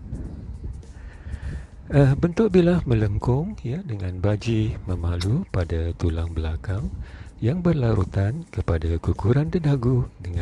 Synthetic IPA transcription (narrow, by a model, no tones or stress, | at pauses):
əbənt̪ʊʔ̚bilahmə̃ləŋkʊŋjadəŋãnbad͡ʒimə̃mãlupadat̪ulaŋbəlakaŋjaŋbərlaɾut̪ankəpadakukuɾandəndaɡudəŋ